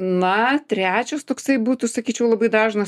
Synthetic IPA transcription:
nɐt̪ʲɾʲæːt͡ʃʲoːst̪oːksɐɪbuːt̪usɐkʲiːt͡ʃʲɛʊlˠɐbɐɪd̪ɑːʒnɐ

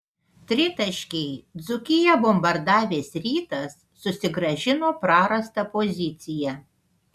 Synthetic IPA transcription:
t̪ʲɾʲɪt̪ɐʃʲkʲɛɪd̪zʊkʲɪjɛbɔmbɐɾd̪ɑːʋʲeːsɾʲiːt̪ɐsːʊsʲɪɡɾɐʒʲɪnoːpɾɑːɾɐst̪ɐpɔzʲɪt̪sʲɪjæ

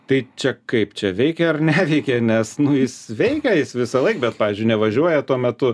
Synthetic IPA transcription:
t̪ɐɪt͡ʃʲɛkɐɪpt͡ʃʲɛʋʲɛɪkʲɛɐrnʲæːʋʲɛɪkʲɛnʲɛsnʊjɪsʋʲɛɪkʲɛjɪsʋʲɪsɐlˠɐɪkbʲɛt̪pɑːʋʲizʲd͡ʒʲʊɪnʲɛʋɐʒʲuɔjɛt̪uɔmʲɛt̪ʊ

